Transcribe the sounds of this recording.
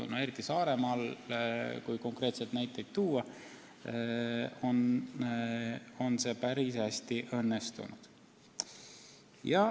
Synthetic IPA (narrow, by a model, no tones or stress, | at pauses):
ṵne̞ɾit̪ːˑisɑːɾe̞mɑl | kujko̞ŋkre̞ːt̪se̞d̪næjt̪ːˑe̞jd̪̥̚t̪uːɑ | on | o̞nse̞ːpæɾisæsʲt̪iʔɤ̞nːest̪ṵnṵd̪̥ | jɑ